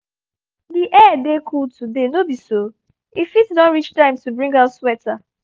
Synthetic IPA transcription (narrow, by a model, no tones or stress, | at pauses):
diʔɛdekʰultʰudenobiso | ifitsdɔ̃nɹit͡ʃtãɪ̃mtubɹĩŋɡaʊtswɛta